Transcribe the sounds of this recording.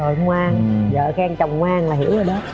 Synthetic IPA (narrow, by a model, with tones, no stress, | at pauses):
o˨˩jŋwaː˧ŋzə̰ː˧˨xɛː˧ŋt͡ɕə˨˩wŋ͡mŋwaː˧ŋlaː˨˩ɦḭ˧˥wzə˨˩jɗɔ˨˦